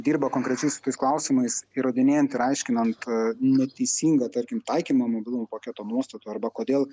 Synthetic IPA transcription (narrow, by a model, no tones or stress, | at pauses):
d̪ʲiːɾbɐkoːŋkɾʲɛt͡ʃʲɛɪsʊ̥t̪oɪsklˠɐʊsʲɪmɐɪsiɾoːd̪ʲɪnʲeːjɛnt̪ɪɾɐɪʃʲkʲɪnɐnt̪nʲɛt̪ʲɛɪsʲiːŋɡɐt̪ɐɾʲkʲɪmt̪ɐɪkʲiːmɐmoːbʲɪlˠʊmupɐkʲæːt̪oːnuɔst̪ɐt̪uɐɾbɐkoːd̪ʲeːlˠ